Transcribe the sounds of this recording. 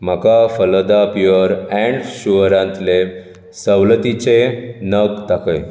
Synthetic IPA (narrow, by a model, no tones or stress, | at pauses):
m̤əkafələd̪apiəɾɛ̃ɳɖɕuəɾãnt̪le | səwlət̪it͡ɕenəkt̪akəj